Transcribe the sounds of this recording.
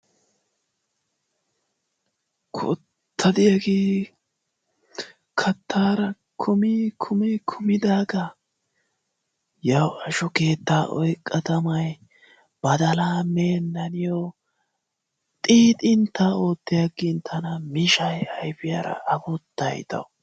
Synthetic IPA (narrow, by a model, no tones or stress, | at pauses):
kʰʊ̰ | t̪ʰːɐd̪ɪjɐɡeː | kʰɐt̪ʰːaːɾɐ | kʰʊmiːkʰʊmikʰʊmɪd̪aːɡɐ | jɐwɐʃʊke̞ːt̪ːaːʔɔ̰jkʼːɐt̪ɐmɐj | b̥ɐd̪ɐlaːmeːnːɐnɪjɔ | t̪ʼiːt̪ʼɪnt̪ːaːoːt̪ːɪjɐɡɪnt̪ʰːɐnɐmɪʃɐjɐjfɪjɐ̰ɾɐ̰ʔɐbɔt̪ːɐ̰jt̪ɐ̰